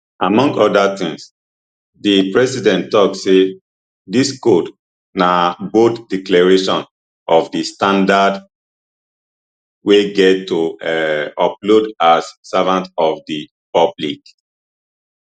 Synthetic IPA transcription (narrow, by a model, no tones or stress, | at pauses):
ʔamɔ̃ŋɡɔdatĩŋs | dipɹɛsidɛ̃ntɔksse | diskot | nabotdiklaɹeʃɔ̃n | ʔɔfdistãndad | weɡɛttːo | ɔplodassavãntɔvdi | pʌblḭk